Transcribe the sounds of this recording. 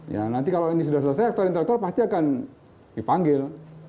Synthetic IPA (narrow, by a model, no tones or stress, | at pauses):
ja̰nant̪ikaloinis̬udahs̬udasajak̚t̪uaɾint̪elɛk̚t̪uarpast̪iakan | dipaŋɡɪl